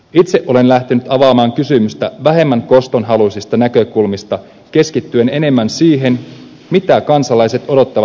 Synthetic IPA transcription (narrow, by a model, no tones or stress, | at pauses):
it̪seʔo̞le̞nlæht̪enyt̪ɑʋɑːmɑːŋkysymyst̪æʋæɦe̞mːæŋko̞st̪o̞nɦɑlusist̪ɑnækø̞kulmist̪ɑ | k̟e̞skit̪ːye̞ne̞ne̞mːænsiːɦe̞n | mit̪ækɑnsɑlɑjse̞t̪o̞do̞t̪ːɑʋɑ